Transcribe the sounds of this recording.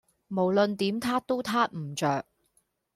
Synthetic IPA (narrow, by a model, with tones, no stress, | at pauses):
mo˨˩wlɵ˨nt̪iː˨˥mt̪ʰaː˥t̪o˥wt̪ʰaː˥t̚m̩˨˩t͡ʃœː˨k̚